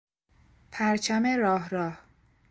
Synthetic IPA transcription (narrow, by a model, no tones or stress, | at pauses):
pʰæɾt͡ʃʰæmeɾɒːɦɾɒːh